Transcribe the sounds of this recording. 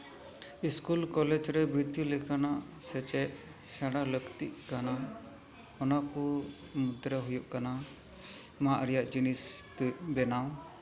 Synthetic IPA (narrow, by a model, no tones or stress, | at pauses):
iskulkɔlɛd͡ʒɾɛbɾid̪julɛkanaʔ | sɛt͡ʃɛʔ | saɽaləkt̪iʔkana | ɔnaku | mud̪ɾəɦujuʔkana | maʔɾɛjaʔd͡ʒinist̪ɛbɛnaw